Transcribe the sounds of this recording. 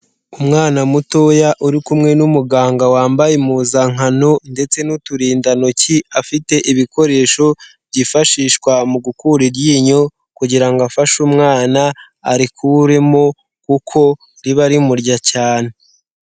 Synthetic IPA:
umŋaːnamutojaʔuɾikumŋe̞numuɡaːŋɡawaːmbajemuzaŋanonde̞t͡se̞nutuɾiːndano̞ciafite̞ʔiβiko̞ɾe̞ːʃo̞ | bɟifaʃiːʃkwamuɡukuɾiɾjiːɲo̞ | kuɟiɾaŋɡafaʃumŋaːnaː | ɾikʰuɾemo̞ | kukʰo̞ | ɾiβaɾimuɾɟacaːne

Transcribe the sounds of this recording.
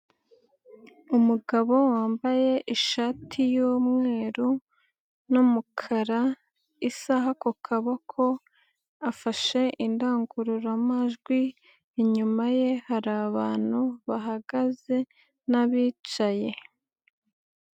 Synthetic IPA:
umuɡaβo̞waːmbaje̞ʔiʃatʰijuːmŋe̞ːɾu | numukʰaɾa | isaɦakukʰaβokʰo̞ | afaʃe̞ʔindaːŋɡuɾuɾamaʒɡwi | eɲumaje̞haɾaβaːn̥huβaɦaɡaze̞ | naβiːt͡ʃaje̞

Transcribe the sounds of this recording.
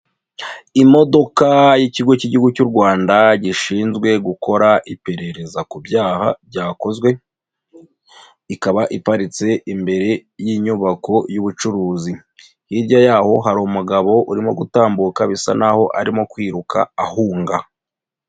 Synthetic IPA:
imo̞do̞kajiciɡo̞ciɟiuɡucuɾɡwaːndaɟiʃiːnzɡwe̞ɡuko̞ɾaʔipe̞ɾe̞ɾe̞zakubjaːha̰bɟaːko̞zɡwe̞ | ikaβaʔipaɾit͡se̞ʔimbe̞ɾe̞jiɲuβakʰo̞juβut͡ʃuɾuːzi | hiɾɟajaːho̞ɦaɾomuɡaβo̞ʔuɾimo̞̰ɡutaːmbukaβisa̰naho̞ʔaɾimo̞kwiːɾuka̰ːhuːŋɡa

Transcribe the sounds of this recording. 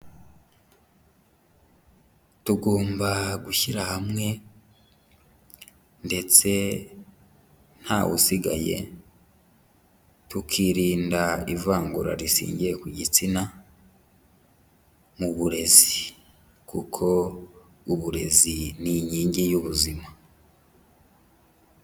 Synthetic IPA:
tuɡo̞ːmbaɡuçiɾahamŋe̞ | nde̞t͡se̞ | n̥haːwṵsiɡa̰je̞̰ | tukʰiːɾiːndaivaːŋɡuɾa̰ɾisḭːɲɟije̞kuɟit͡sina | muβuɾe̞zii | kʰukʰo̞ | uβuɾe̞ziniɲiːɲɟijuβuzima

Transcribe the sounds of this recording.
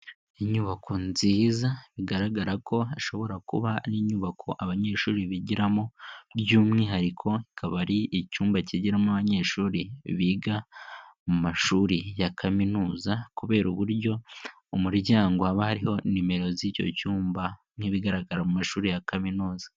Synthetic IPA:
iɲuːβakʰonziːzaβiɡaɾaɡaɾako̞aʃo̞βo̞ɾakṵβaniɲuːβakʰo̞ʔaβaɲe̞ːʃuːɾiβiɟiɾamoɾɟuːmŋiːɦaɾikʰo̞ikʰaβaɾiːcuːmbaciɟiɾamuaβaɲe̞ːʃuːɾiβiːɡamumaʃuːɾijakʰaminuːzakuβe̞ːɾuβuɾjɟo̞ | umuɾɟaːŋɡoaβahaɾiho̞nime̞ɾo̞zico̞̰cuːmba | n̥iβiɡaɾaɡaɾamumaʃuːɾijakaminuːzḁ

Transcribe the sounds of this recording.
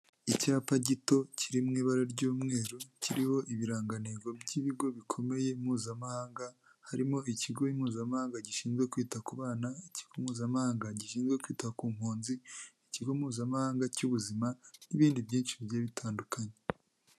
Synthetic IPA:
icaːpaɟito̞cʰiɾimŋiːβaɾaɾɟuːmŋe̞ːɾociɾiho̞ʔiβiɾaːŋɡaneɡo̞bɟiβiɡo̞βikʰo̞me̞je̞muːzamahaːŋɡa | haɾimo̞iciɡo̞jimhuːzamahaːŋɡaɟiʃiːnzɡwekwiːtakuβaːnaici̥ɡ̥omhuːzamahaːŋɡaɟiʃiːnzɡwe̞kwiːtakuːm̥huːnziiciɡo̞muːzamahaːŋɡacuβuzimaniβiːndibɟiːnʃiɟaːβitʰaːndukʰaɲe

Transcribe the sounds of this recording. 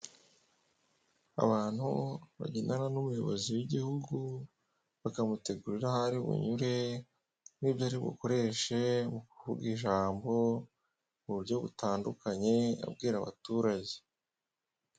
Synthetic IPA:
a̰βaːn̥huβa̰ɟinananumujo̞βo̞ziwiɟihuɡu | βakamute̞ɡuɾiɾahaɾiβṵɲuɾe̞ | niːbjaɾiβṵko̞ɾe̞ʃemuku̥huɡiʒaːmbo̞ | muβuɾɟo̞βutaːndukaɲe̞a̰bɡiːɾaβa̰tuɾaɟe̥

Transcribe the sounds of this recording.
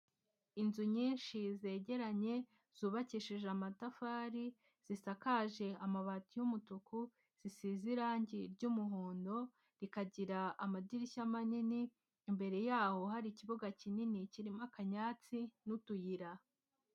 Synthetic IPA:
inzuɲiːnʃize̞ɟe̞ɾaɲe̞ | z̥uːβaciʃiʒamatafaːɾi | z̥isakaʒe̞amaβatijumutuku | z̥isiziɾaːɲɟiɾɟuːmuɦoːndo̞ | ɾikaɟiɾaamadiɾiçamaniniː | mbe̞ɾe̞jaːho̞ɦaɾiciβuɡacininiciɾimakaɲaːt͡sinutujiɾa

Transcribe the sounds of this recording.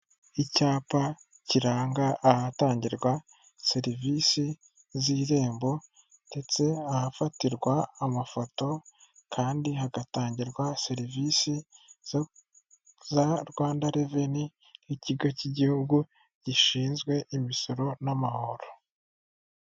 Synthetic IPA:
icaːpa | ciɾaːŋɡaʔahataːɲɟiɾɡwa | se̞ɾivisi | ziːɾe̞ːmbo̞ | nde̞t͡se̞ahafatiɾɡwaːmafo̞to̞kʰaːndiɦaɡataːɲɟiɾɡwase̞ɾivisi | zaɾɡwaːndaɾeve̞ni | iciɡociɟihuɡu | ɟ̥iʃiːnzɡwe̞ʔimiso̞ɾo̞namaho̞ɾo

